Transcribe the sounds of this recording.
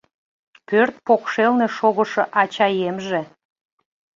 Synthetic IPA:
pørt̪̚pokʃelne̽ʃoɣə̆ʃɤ̆ʔɑt͡ɕɑjemʒĕ

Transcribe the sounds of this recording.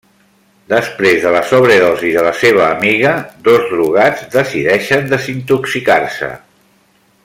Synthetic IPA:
d̪əspɾezðələsɔβ̞ɾəðɔziðələseβ̞əːmiɣəd̪ɔzðruɣad͡zd̪əsiðɛʃənd̪əzint̪uksikarsə̰

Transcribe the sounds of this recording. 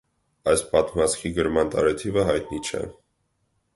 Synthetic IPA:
ɑjspɑt̪mɑt͡sʰkʰiɡəɾmɑnt̪ɑ̰ɾɛt̪ʰivəɦɑjt̪nit͡ʃʰɛ̰

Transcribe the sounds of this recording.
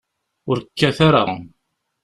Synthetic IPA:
ʊɾkːæθaɾa̰

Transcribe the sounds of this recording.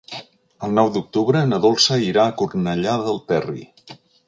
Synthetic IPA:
əlˠnɔwd̪uk̚t̪uβɾənəðolˠsəiɾaːkurnəʎaðəlˠt̪ɛrḭ

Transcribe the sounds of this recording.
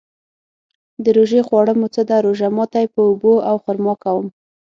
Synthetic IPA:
d̪əɾoʒexwɑɽəmot͡səd̪aɾoʒamɑt̪ajpəuboawxʊɾmɑkawəm

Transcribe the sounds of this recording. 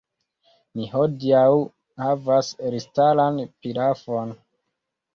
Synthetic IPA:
niɦodiaw | havasɾistalanpilafo̞n

